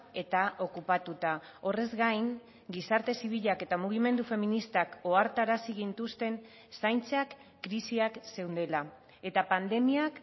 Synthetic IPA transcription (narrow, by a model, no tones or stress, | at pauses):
e̞t̪aʔo̞kupat̪ut̪ao̞re̞zɡajŋ | ɡisaɾt̪e̞siβ̞iʎake̞t̪amuɣ̞ime̞nd̪ufe̞minist̪ako̞aɾt̪aɾasiɣint̪ust̪e̞n | sajnt͡sakː | ɾisiakse̞wnd̪e̞la | e̞t̪apand̪e̞miak